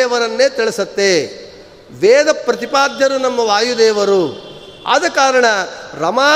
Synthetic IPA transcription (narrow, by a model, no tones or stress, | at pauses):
ʋɐɾɐnːeːt̪iɭesɐt̪ːe | ʋɛːd̪ɐpɾɐt̪ipaːd̪jɐɾunɐmːɐʋaːjud̪ɛːʋɐɾu | a̰ːd̪ɐkaːɾɐɳɐɾɐmaː